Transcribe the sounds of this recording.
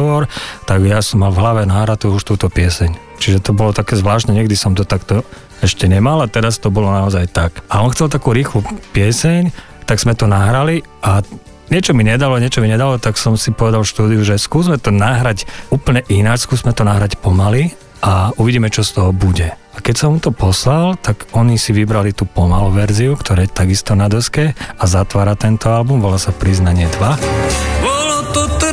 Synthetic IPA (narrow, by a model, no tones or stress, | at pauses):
ɔɾt̪aɡjasɔmːalvɦlaʋɛnaɦɾat̪uuʃt̪uːt̪ɔpɪɛsɛɲ | t͡ʃiʒɛt̪ɔbɔlɔt̪akɛːzʋlaːʃt̪nɛɲɛɡd̪isɔmt̪ɔt̪akt̪ɔ | ɛʃcɛɲɛmalat̪ɛɾast̪ɔbɔlɔnaɔzajt̪akaɔnxt͡sɛlt̪akuːɾiːxlupɪɛsɛɲ | t̪aɡz̥mɛt̪ɔnaɦɾaliʔa | ɲɪɛt͡ʃɔmiɲɛd̪alɔɲɪɛt͡ʃɔmiɲɛd̪alɔt̪aksɔmsipɔʋɛd̪alfʃt̪uːd̪iuʒɛskuːzmɛt̪ɔnaɦɾacuːpl̩ɲɛʔinat͡ʃskuːzmɛt̪ɔnaɦɾacpɔmali | auʋiɟiːmɛt͡ʃɔst̪ɔɦɔbuɟɛ | akɛcsɔmut̪ɔpɔslalt̪aɡɔɲisiʋibɾalit̪uːpɔmaluʋɛɾziukt̪ʰɔɾaːɛt̪aɡist̪ɔnad̪ɔskɛazat̪ʋaːɾat̪ɛnt̪ɔalbumʋɔlaːsapɾiznaɲɪɛd̪ʋabɔlɔt̪ɔt̪